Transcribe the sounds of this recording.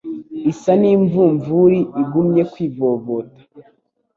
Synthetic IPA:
isaniːɱvuɱvuɾiʔiɡumɲe̞kwiːvoːβotḁ

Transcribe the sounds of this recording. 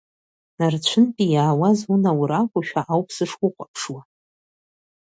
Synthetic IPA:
nart͡ɕʷʰɨnpʼijaːwazunawɾakʷʼʊʃᶣaʔawpʰsɨʂkʷʼʊqʷʼapʰʂwa

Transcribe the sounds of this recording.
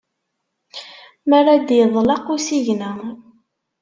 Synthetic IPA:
marˤad̪jəðˤlɑqusiʝnæ

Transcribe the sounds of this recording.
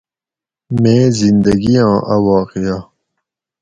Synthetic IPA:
mẽːzind̪ɐɡijãːʔɐwaːqija

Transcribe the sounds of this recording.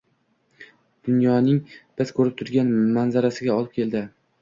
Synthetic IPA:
d̪̥ʊnjɒnɪŋb̥ɪzkʰɵɾɪp̚t̪ʰʊɾɡʲanmanzaɾasɪɡʲaɒlˠɪp̚kʲe̞ld̪ɪ

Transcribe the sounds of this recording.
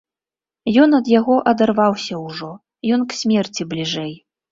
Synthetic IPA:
jɔnɐd̪jaɣɔʔɐd̪arvawsʲɐwʐɔ | jɔnksʲmʲɛrt͡sʲiblʲiʐɛj

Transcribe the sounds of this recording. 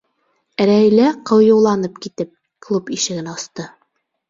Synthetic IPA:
ɾæjlæqɤ̆wjŭwlˠɑnɤp̚kit̪ɘp̚ | klˠupiʃɘ̆ɡɘnɑst̪ɤ

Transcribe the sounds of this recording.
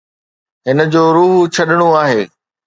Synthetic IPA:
ɦɪnə̆d͡ʑoːɾuːɦt͡ɕʰɐɗɪɽ̃oaːɦeː

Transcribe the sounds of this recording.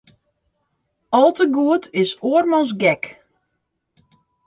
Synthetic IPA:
ɔlˠtəɡuətʰɪsoərmɔns̬ɡɛk

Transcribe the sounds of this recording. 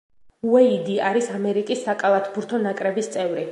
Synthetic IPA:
uɛid̪iaɾisamɛɾikʼisːakʼalˠat̪ʰbuɾt̪ʰɔnakʼɾɛbist̪sʼɛvɾi

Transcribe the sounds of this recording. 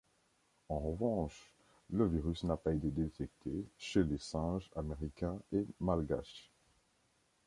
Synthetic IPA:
ɑ̃ʁəvɑ̃ʃ | ləviʁysnapaet̪ed̪et̪ɛk̚t̪ʰeʃelesɛ̃ʒameʁikʲɛ̃emalɡa̰ʃ

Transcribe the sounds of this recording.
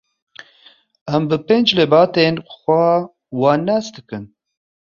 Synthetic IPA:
ɛmbɨpend͡ʒlebɑːt̪enxʷɛ | wɑːnɛsd̪ɨkɨn

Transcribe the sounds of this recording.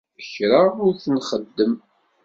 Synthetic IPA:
əçɾaʊɾθənχəd̪ːəm

